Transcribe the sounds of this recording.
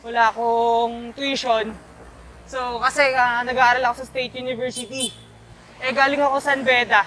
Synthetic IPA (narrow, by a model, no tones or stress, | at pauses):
wɐlaːɐkoŋt̪wiʃon | sokɐsɛɐnɐɡaʔaːɾɐlɐko̞sɐst̪ejt̪̚junɪvɛɹsɪt̪i | ʔɛɡaːlɪŋɐko̞sɐnbɛːd̪ɐ